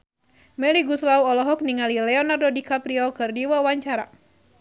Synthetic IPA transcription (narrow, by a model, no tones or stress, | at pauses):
mɛliɡuslauɔlɔɦɔk̚niŋalilɛɔnardɔdikapɾiɔkɨrdiwawaɲt͡ʃaɾa̰